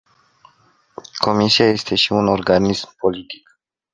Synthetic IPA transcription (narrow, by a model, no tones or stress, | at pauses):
kʰo̞misiaje̞st̪e̞ʃiuno̞rɡanismpo̞lit̪i̥k